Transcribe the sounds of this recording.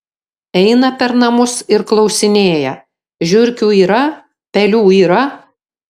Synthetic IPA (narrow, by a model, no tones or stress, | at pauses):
ɛɪnɐpʲɛɾnɐmʊsɪɾklˠɒʊsʲɪnʲeːjɛ | ʒʲʊɾʲkʲuːiːɾɐ | pʲɛlʲuːiːɾɐ